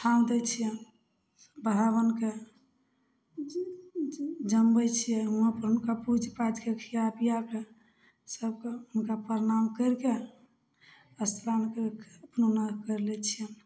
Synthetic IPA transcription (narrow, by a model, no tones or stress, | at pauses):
t̪ʰand̪ɛt͡ʃʰijɛ | bəɦaβənke | d͡ʒəmbəjt͡ʃʰijɛɦuapəɾɦunkapud͡ʒʱpad͡ʒkekʰijapijake | səb̚keunkapəɾnamkəɾke | əst̪ʰɾankeəpnonakəɾlɛt͡ʃʰijɛm